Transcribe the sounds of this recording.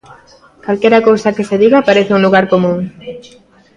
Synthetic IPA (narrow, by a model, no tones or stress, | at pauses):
kalkɛɾakowsakeseðiɣapaɾeθeuŋluɣ̞aɾkomũŋ